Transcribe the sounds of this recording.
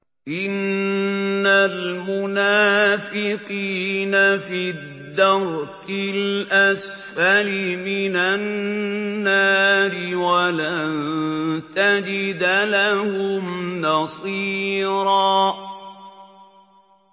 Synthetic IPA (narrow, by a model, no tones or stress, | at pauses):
ʔɪnː | almʊnaːfɪqiːnafid̪ːɑɾtɪlʔas | falɪmɪnanː | aːɾɪwalant̪ad͡ʒɪd̪alahʊmnɑsˤiːɾɑː